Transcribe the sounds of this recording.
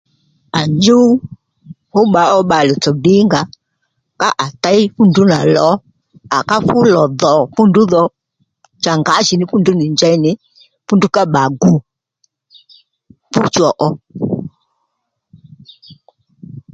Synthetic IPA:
a˨nd͡ʒu˦ | hu˦ɓa˨˦ɔ˦ɓa˨lɛ˨t͡sɔ˨di˦ŋɡa˨ | ka˦ʔa˨ta˦i˦fu˦ndu˦na˨lɔ˨˦ | a˨ka˦fu˦lɔ˨ðɔ˨pu˦ndu˦ðɔ˨ | t͡ʃa˨ŋɡa˨˦ʃi˨ni˦fu˦ndu˦ni˨ɲd͡ʒa˦i˦ni˨˦ | fu˦ndu˦ka˦ɓa˨ɡu˦ | pu˦t͡ʃɔ˨ʔɔ˦

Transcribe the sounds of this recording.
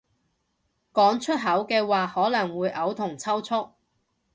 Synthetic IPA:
kɔː˨˥ŋt͡ʃʰɵ˥t̚ɦɐ˨˥wkɛː˧waː˨hɔː˨˥lɐ˨˩ŋwuː˨˧jʔɐ˨˧wt̪ʰʊ˨˩ŋt͡sʰɐ˥wt͡sʰʊ˥k̚

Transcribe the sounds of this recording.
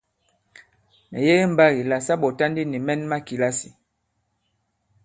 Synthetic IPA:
mɛ̰˨je˦ɣe˦m̩˨ba˦ɣi˨la˨sa˦ɓɔ˨ta˦ndi˦ni˨mɛ˦nma˦ki˨la˦si˨

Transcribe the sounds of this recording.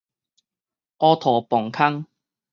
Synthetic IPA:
ʔɔː˧t̪ʰɔː˨˩pɔ˨˩ŋkʰɐ˥ŋ

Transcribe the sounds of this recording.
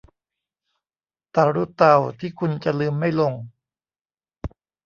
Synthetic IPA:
t̪aː˨˧˩ɾuː˥˩t̪a˧˩wt̪ʰiː˥˩kʰu˧nt͡ɕa˨lɯː˧mːa˥˩jlo˧ŋ

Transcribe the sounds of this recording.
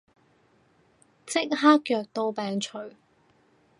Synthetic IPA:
t͡sɪ˥k̚ɦaː˥kjœː˨k̚t̪o˧wpɛː˨ŋt͡ʃʰɵ˨˩ɥ

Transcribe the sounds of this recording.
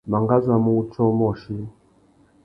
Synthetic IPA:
ma˨ŋɡa˦za˨mu˦t͡ʃɔ˦mɔ˨ʃi˦

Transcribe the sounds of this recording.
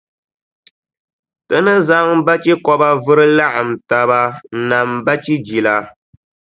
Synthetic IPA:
tɨ˦nɨ˦za˦ŋba˦t͡ʃi˦kɔ˦ba˦vɨ˦ɾɨ˦la˦ʔa˨m̩˨ta˨ba˦n̩˦na˨m˨ba˦t͡ʃi˦d͡ʒi˨la˦

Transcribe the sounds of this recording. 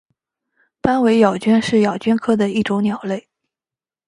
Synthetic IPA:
pa˥nwe˧˥ɪjɑ˨˩ʊt͡ɕy˥nʂɻ̩˥˩jɑ˨˩ʊt͡ɕɥɛ˥nkʰɤ˥d̪ə˨i˥˩ʈ͡ʂo˧˥ʊnjɑ˨˩ʊle˥˩ɪ

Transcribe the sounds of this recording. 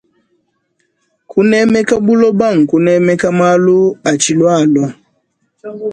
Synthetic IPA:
kʰu˦nɛ˦mɛ˦ka˦bu˦lɔ˦ba˦˨ŋ̩˨ku˦nɛ˦mɛ˦ka˦ma˦lu˦a˨t͡ʃi˨lwa˦˨lɔ˦

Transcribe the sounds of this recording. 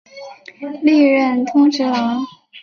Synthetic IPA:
li˥˧ɻə˥˩nt̪ʰʊ˥ŋʈ͡ʂʰɻ̩˧˥lɑ˧˥ŋ

